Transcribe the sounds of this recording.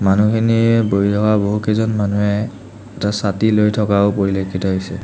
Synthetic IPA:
manukʰeniɛboitɔkaboɦukɛzɔnmanuɛː | tasatilojtʰɔkaʊpoɹilekʰitɔɦojsɛ̰

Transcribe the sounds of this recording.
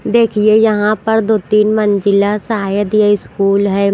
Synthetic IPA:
d̪eːkʰiejɐɦãpɐɾd̪oːt̪iːnmə̃nd͡ʒɪlasaajəd̪ijaɪskuːlɦɛː

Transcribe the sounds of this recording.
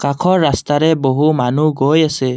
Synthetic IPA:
qakʰɔɾːast̪ʰaɾɛbɔɦumanuɡɔjese

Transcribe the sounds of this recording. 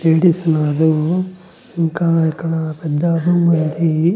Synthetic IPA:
eːʈisɐnaːɾu | iŋkakːɐɳapɛd̪ːaːbʱɐmːɐnd̪i

